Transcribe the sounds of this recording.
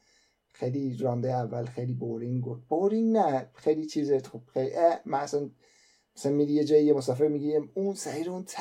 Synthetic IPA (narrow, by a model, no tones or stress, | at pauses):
xejliɾɒːmbejævːælxejliboɾiŋɡoft̪̚b̥oɾiŋɡnæxejlit͡ʃʰiːzexob̥xejliʔæmænæsæn | mæsæænmiːd̪ijed͡ʒɒːjijemosɒːfeɾmiɡiɾimunsæɾiɾunt̪ʰ